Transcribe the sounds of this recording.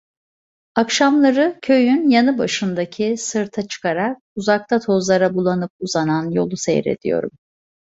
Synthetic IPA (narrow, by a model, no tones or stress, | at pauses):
akʃamlˠaɾɯcʰø̞jynjanɯbaʃɯnd̪acʰisɯɾt̪ʰat͡ʃʰɯ̥kaɾak̚uzak̚t̪ʰat̪ʰo̞zlˠaɾabulˠanɯp̚uzananjo̞lˠusḛjɾe̞̰d̪̥ḭjo̞̰ɾum